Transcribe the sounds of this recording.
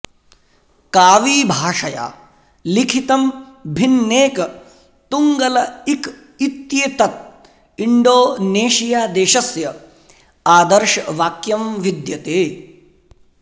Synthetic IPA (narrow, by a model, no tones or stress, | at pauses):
kaːʋiːbʱaːʂɐja̰ː | likʰit̪ɐm | bʱinːeːkɐ | t̪uŋɡɐlɐik | it̪jeːt̪ɐt̪̚ | iɳɖoːneːʃijaːd̪eːʃɐsjɐ | aːd̪ɐɾʃɐʋaːkjɐmʋid̪jɐt̪eː